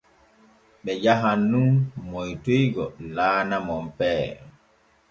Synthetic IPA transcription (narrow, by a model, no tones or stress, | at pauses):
ɓɛd͡ʒaɦanːunmojtojɡɔlaːnamɔmpɛː